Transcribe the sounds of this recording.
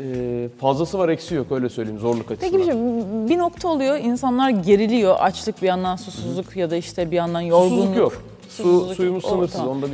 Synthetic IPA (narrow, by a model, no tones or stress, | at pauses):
fazlˠasɯvaɾɛcsijo̞kø̞jlʲɛsø̞jlʲeimzo̞ɾlˠukʰat͡ʃʰecibiʃimbino̞kt̪ʰaolˠujo̞insanlˠaɾɟe̞ɾilʲijo̞ʔat͡ʃlˠɯk̚bijand̪ansusuzlˠukjad̪aiʃt̪ʰɛbijand̪anjoɾɡ̪unˠkjok | suuzsujumusɯnɯɾsɯzond̪a